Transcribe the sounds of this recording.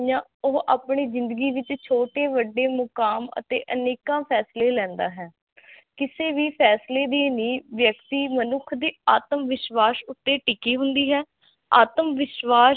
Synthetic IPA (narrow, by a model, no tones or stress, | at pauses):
jãːoːʔaːpɳeːzɪ̃nd̪əɡiːʋɪt͡ʃt͡ʃʰoːʈeːʋəɖːeːmʊkaːmə̰t̪ḛːʔəneːkãːpʰɛːsleːlɛ̃ːnd̪a̰ːɦɛː | kɪseːʋiːpʰɛːsleːd̪eːnĩːʋjəkt̪iːmənʊkʰd̪iːaːt̪əmʋɪʃʋaːsʊt̪ːeːʈɪkiːɦʊnd̪iːɦɛː | a̰ːt̪əmʋɪʃʋaː